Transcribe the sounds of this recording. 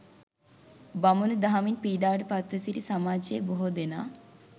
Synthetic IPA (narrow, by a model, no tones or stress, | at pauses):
bamunud̪aɦaminpiːd̪aːʋʈəpat̪ɾəsiʈisamaːd͡ʒeboɦod̪enaː